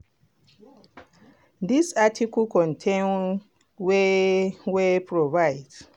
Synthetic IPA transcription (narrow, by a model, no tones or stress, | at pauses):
disatʰikɔlkɔ̃ntʰẽn | we | wepɹɔvaɪds